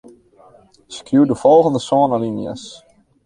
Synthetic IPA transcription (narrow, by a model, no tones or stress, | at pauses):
skjuwdəfɔlˠɣəndəsɔːənalinjə̰s